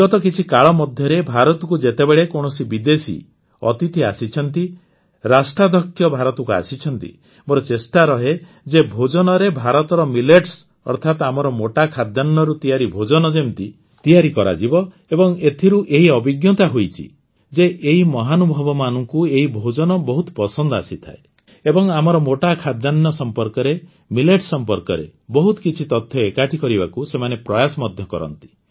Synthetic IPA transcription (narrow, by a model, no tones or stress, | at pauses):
ɔt̪ɔkit͡ʃʰikaɭɔmɔd̪ʱjɔɾebʱaɾɔt̪ɔkud͡ʒet̪ebeɭekɔɽ̃ɔsibid̪esḭ | ɔ̰t̪it̪ʰiasit͡ʃʰɔnt̪i | ɾasʈɾad̪ɔkʰːjɔbʱaɾɔt̪ɔkua̰sit͡ʃʰɔnt̪ḭ | moɾɔt͡ʃesʈaɾɔɦe | d͡ʒebʱod͡ʒɔnɔɾebʱaɾɔt̪ɔɾɔmileʈs | ɔ̰ɾt̪ʰat̪amɔɾɔmoʈakʰad̪janːɔɾut̪ijaɾibʱod͡ʒɔnɔd͡ʒent̪i | t̪ijaɾikɔɾa̰d͡ʒibɔ | ebɔŋet̪ʰiɾuʔeɦiɔbiɡjɔt̪aɦojt͡ʃʰḭ | d͡ʒeʔeɦimɔɦanubʱɔbɔmanɔŋkueɦibʱod͡ʒɔnɔbɔɦut̪pɔsɔnd̪ɔasit̪ʰa̰e | ebɔŋamɔɾɔmoʈakʰad̪janːɔsɔmpɔɾkɔɾe | mileʈsɔmpɔɾkɔɾḛbɔɦut̪ɔ̥kit͡ʃʰit̪ɔt̪ʰːjɔekaʈʰikɔɾibakusemanepɾɔjasɔmɔd̪ʱjɔkɔ̰ɾɔ̰n̪t̪i̥